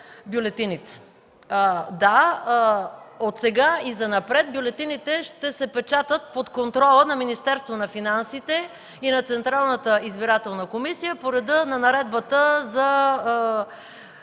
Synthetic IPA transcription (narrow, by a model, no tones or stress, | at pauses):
bjolɛt̪init̪ɛ̥ | d̪a | ot̪sɛɡaizɐnɐpɾɛt̪̚bjolɛt̪init̪ɛʃt̪ɛsɛpɛt͡ʃat̪ət̪̚pot̪kont̪ɾɔlˠənɐminist̪ɛɾst̪vonɐfinansit̪ɛ | inɐt̪sɛnt̪ɾalˠnət̪əizbiɾat̪ɛlˠnəkomisijəpoɾɛd̪ənɐnɐɾɛd̪̚bət̪əzɐ